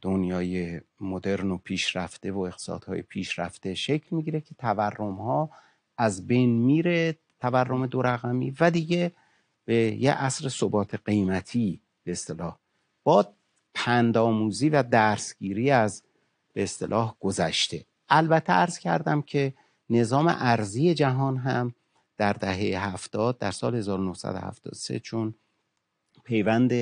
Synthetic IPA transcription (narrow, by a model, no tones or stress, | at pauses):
d̪̥o̞njɒːjemod̪e̞ɾnopʰiːʃɾæft̪e̞voeɣt̪e̥sɒ̰ːd̪̥hɒ̰ːjḛpʰiːʃɾæft̪e̞ʃe̞cʰlmiɟiɾecʰe̞t̪ʰæværːo̞mhɒː | ʔæzbe̞jnmiːɾe | t̪ʰæværːo̞me̞d̪o̞ɾæɣæmḭːvæd̪iːɟe̞ | b̥ejeʔæsɾesobɒːt̪ʰeɢejmæt̪ʰiː | b̥e̞ːst̪e̞lɒːh | b̥ɒːd | pʰænd̪ɒːmuːziːvæd̪æɾsɡ̥iːɾiːæz | b̥eːst̪elʔɒːhɡ̥o̞zæʃt̪e̞ | ʔælbæt̪ʰːeæɾz̥cʰæ̰ɾd̪æmcʰe̞ | ne̞zɒːmḛʔæɾzije̞d͡ʒæɦɒːnɦæm | d̪̥æɾd̪æɦe̞jeɦæft̪ɒːd̪̚d̪æɾsɒːlhe̞zɒːɾono̞hsæ̰d̪ohæ̰ft̪ɒ̰ːd̪osḛt͡ʃʰon | pʰe̞jvænd̪e